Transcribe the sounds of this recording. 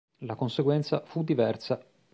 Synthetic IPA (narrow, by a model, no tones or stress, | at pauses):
lakonseɡwɛnt̪safud̪ːivɛrsa